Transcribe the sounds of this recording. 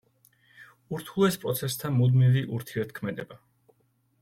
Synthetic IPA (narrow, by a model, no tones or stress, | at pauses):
uɾt̪ʰulˠɛspʼɾɔt̪sʰɛst̪ʰamud̪miviʔuɾt̪ʰiɛɾt̪̚ʰkʰmɛd̪ɛba